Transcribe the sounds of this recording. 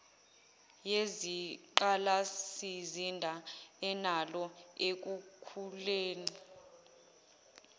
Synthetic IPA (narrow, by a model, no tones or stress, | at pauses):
jeziǃalasizindʱaɛnalɔek̬ukʰuleːni